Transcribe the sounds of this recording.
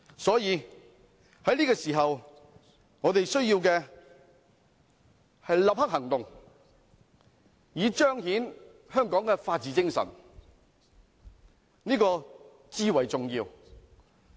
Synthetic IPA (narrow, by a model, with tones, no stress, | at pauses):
sɔː˨˥jiː˨˧ | hɐ˨˥jniː˥kɔː˧siː˨˩ɦɐ˨w | ŋɔː˨˧t̪e˨jsɵ˥ɥjiː˧wkɛː˧ | hɐ˨jlɐ˨p̚hɐ˥k̚hɐ˨˩ŋt̪ʊ˨ŋ | jiː˨˧t͡ʃœː˥ŋhiː˨˥n | hœː˥ŋkɔː˨˥ŋkɛ˧faː˧t̚t͡siː˨˧t͡sɪ˥ŋsɐ̰˨˩n | niː˥kɔː˧ | t͡siː˥wɐ˨˩jt͡sʊ˨ŋjiː˧w